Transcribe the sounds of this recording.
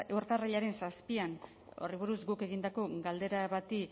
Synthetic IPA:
ewɾt̪araʎaɾe̞nsaspian | o̞̰riβ̞uɾuzɡuke̞ɣind̪ako̞ɡald̪e̞ɾaβat̪i

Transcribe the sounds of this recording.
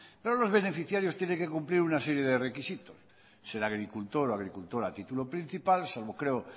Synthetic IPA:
peɾolo̞zβe̞ne̞fiθjaɾjost̪jeneŋke̞kumpliɾunaseɾje̞ðerekisit̪osː | e̞ɾaɣ̞ɾikult̪oɾoaɣ̞ɾikult̪oɾat̪it̪ulopɾĩn̟θipalsalβokɾeo

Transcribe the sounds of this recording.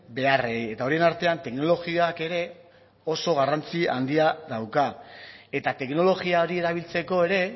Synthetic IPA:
be̞areje̞t̪ao̞ɾie̞naɾt̪e̞ant̪e̞kno̞lo̞ɣioake̞ɾe̞ | o̞so̞ɣ̞arant͡siand̪iaðawkae̞t̪at̪e̞kno̞lo̞ɣiao̞ɾie̞ɾaβ̞ilt͡se̞ko̞e̞ɾe̞

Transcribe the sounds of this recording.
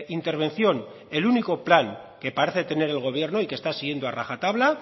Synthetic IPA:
int̪e̞ɾβ̞e̞n̟θjo̞n | e̞luniko̞plaŋ | ke̞paɾeθe̞t̪e̞ne̞ɾe̞lɣo̞β̞je̞ɾno̞ike̞st̪asiɣje̞nd̪oaraxat̪aβla

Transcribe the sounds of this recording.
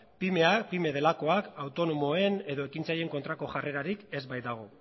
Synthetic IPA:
pimeapime̞ð̞e̞lako̞akawt̪o̞no̞mo̞e̞ne̞ðo̞e̞kint͡saje̞ŋko̞nt̪ɾako̞ʝare̞ɾaɾike̞zbajd̪aɣ̞o̞

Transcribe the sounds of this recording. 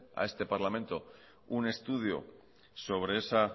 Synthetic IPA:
a̰e̞st̪e̞paɾlament̪o̞ | une̞st̪uðjo̰ | so̞β̞ɾe̞esa

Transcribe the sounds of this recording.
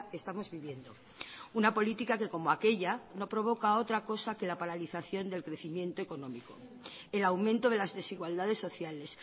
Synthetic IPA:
kest̪amo̞zβiβje̞nd̪o̞ | unapo̞lit̪ikake̞ko̞moake̞ʎano̞pɾo̞β̞o̞kao̞t̪ɾako̞sake̞lapaɾaliθaθjo̞nd̪e̞lkɾe̞θimje̞nt̪oe̞ko̞nõ̞miko̞ | e̞lawmẽnt̪oð̞e̞lazðe̞siɣwald̪aðe̞sːo̞θjale̞s

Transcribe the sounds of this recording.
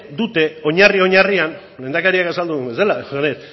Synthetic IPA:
d̪ut̪e̞o̞ɲario̞ɲarian | le̞nd̪akaɾiakasald̪uumbeselasanes

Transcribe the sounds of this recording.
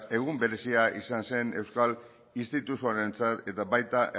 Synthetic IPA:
e̞ɣumbe̞ɾe̞siaʔisanse̞ne̞wskal | inst̪it̪usuaɾe̞nt͡sat̪e̞t̪aβajt̪aʔe

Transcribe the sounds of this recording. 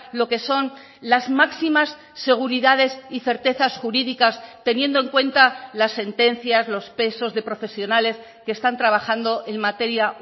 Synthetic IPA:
lo̞ke̞so̞n | lazmaksimasː | e̞ɣ̞uɾiðað̞e̞siθe̞ɾt̪e̞θasxuɾiðikast̪e̞njẽ̞nd̪oe̞ŋkwe̞nt̪alasːe̞nt̪e̞n̟θjazlo̞spe̞so̞zðe̞pɾo̞fe̞sjo̞nale̞s | keːst̪ant̪ɾaβ̞axand̪o̞ʔe̞ŋmat̪e̞ɾja

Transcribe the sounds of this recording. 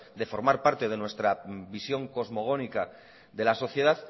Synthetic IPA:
d̪e̞fo̞ɾmaɾpaɾt̪e̞ð̞e̞nwe̞st̪ɾabisjo̞ŋko̞zmo̞ɣ̞o̞nika | ðe̞laso̞θje̞ð̞að

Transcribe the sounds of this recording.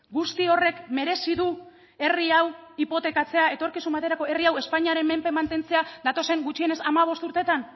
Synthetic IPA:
ɡust̪io̞re̞kme̞ɾe̞siðu | e̞riawipo̞t̪e̞kat͡se̞ae̞t̪o̞ɾkisumbat̪eɾako̞e̞riawe̞spaɲiaɾe̞mme̞mpe̞mant̪e̞nt͡se̞ad̪at̪o̞se̞ŋɡut͡ʃie̞ne̞samaβ̞o̞st̪uɾt̪e̞t̪an

